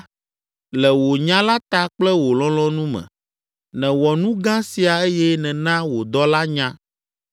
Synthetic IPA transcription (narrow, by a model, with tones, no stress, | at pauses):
lɛ˨wo˨ɲã˦la˦t̪a˦k͡plɛ˦wo˨lɔ̃˦lɔ̃˦nũ˦mɛ̰̃˨ | nɛ̃˨wɔ˨nũ˦ɡã˦si˨a˨e˦jɛ˦nɛ̃˨nã˦wo˨d̪ɔ˦la˦ɲã˦